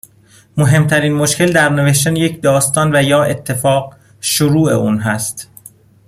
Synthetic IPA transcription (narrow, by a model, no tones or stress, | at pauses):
moɦe̞mt̪ʰæɾiːnmoʃcʰʲe̞ld̪æɾneveʃt̪ænejecʰd̪ɒːst̪ɒːnvæjɒːʔe̞t̪ʰːe̞fɒːɢ | ʃoɾuːḛuːnɦæst̪